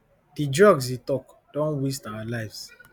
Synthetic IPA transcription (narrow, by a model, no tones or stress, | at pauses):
d̥idɹɔɡs̬itɔkd̥ɔ̃nwistawalaɪvs